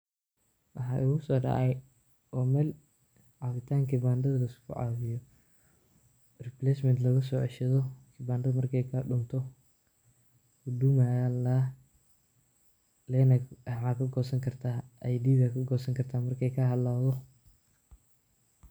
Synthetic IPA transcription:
wɑħɑːʔʊɣʊsɔːɖɑ̰ʕɛj | ʔɔːmɛːl | ʕɑβɪt̪ʰaːŋkʰɪbaːnd̪ɐðɐlɐɪskʰʊ̰ʕɑ̰ːβɪjɔ | rɪplɛsmɛnd̪lɐɣɐs̬ɔːʕɛʃɐðɔkʰɪbaːnd̪ɐðɐmɐrkʰɛjkʰɐɖʊnt̪ʰɔ | ɡʊd̪ʊmaːjanlaː | lɛːnɐħaːkʰɐɡɔːsɐŋkʰɐrt̪ʰaːɐjd̪iːðɐkʰɐɡɔːsɐŋkʰɐrt̪ʰaːmɐrkʰɛjkʰɐɦɐd̪laːðɔ

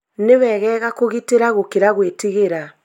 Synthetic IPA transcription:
newɛɣɛɣakoɣiteɾaɣokeɾaɣwetiɣeɾa

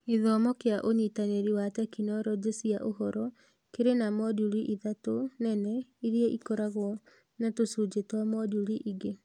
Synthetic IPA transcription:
iðɔmɔkejaʔoɲitaneɾiwatɛkinɔɾɔd͡ʑesiaʔoɦɔɾɔ | keɾenamɔduɾiʔiðatonɛnɛiɾiɛʔikɔɾaɣwɔ | natosud͡ʑetwamɔduɾiʔiɡe

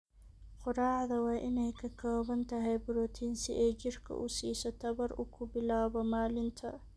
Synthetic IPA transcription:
qʊɾaːʕðɐwɑːʔɪnɛjkʰɐkʰɔːβɐnt̪ʰɐɦɛjbʊɾɔːt̪ʰiːnsɪ̰ʔɛːd͡ʒɪrkʰɐ̰ʔʊsiːsɔt̪ʰɐβɐɾʔʊ̰kʰʊbɪlaːβɔmaːlɪnt̪ʰɐ

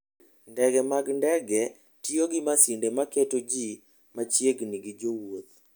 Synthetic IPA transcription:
ndɛɡɛmaɡndɛɡɛ | tioɡɪmasindemaketod͡ʒi | mat͡ʃjeɡniɡɪd͡ʒowot̪

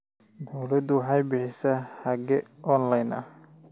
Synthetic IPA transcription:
d̪ɔwlɐd̪ʊwɑħɑjbɪħɪsɛħɑɡɛʔɔnlɐjnɐ̰h

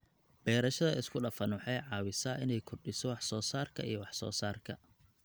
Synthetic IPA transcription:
b̥ɛːɾɐʃɐðɐɪskʰʊɖɐfɐnwɑħɑjʕɑːwɪsɐʔɪnɛjkʰɔrɖɪsɔwɑħsɔːsaːrkʰɐ̰ijɔwɑħsɔ̰ːsaːrkʰɐ

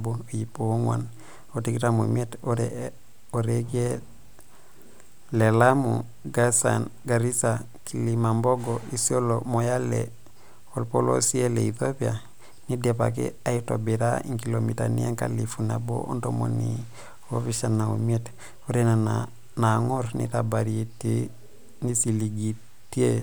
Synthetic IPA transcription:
boojipooŋwa̰n | otikitamomietoɾe | oɾeɡe | lelamu | ɡasa̰nɡaɾisa | kʰilimamboɡoisiolomojalḛ | olpolo̰sieleiθopia | nidepa̰k̬ḛaitobeɾaiŋkilomita̰nḭaŋka̰lifunabo̰ʔontomo̰ni | ofiʃanaomiet | oɾenana | naŋoɾnḭtabaɾiete | nisiliɡi | tie

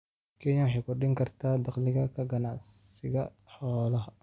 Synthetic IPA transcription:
kʰɛɲɐwɑħɑjkʰʊrɗɪŋkʰɐrt̪ʰaːd̪ɑqlɪɣɐkʰɐɡɐnaʕsɪɣɐ | ħɔːlɐɦɐ

